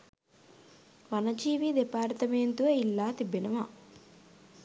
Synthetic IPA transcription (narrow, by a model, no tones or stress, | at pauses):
ʋɐnɐd͡ʒiːʋid̪epaːɾt̪ɐmeːnt̪uɐilːaːt̪ibinɐma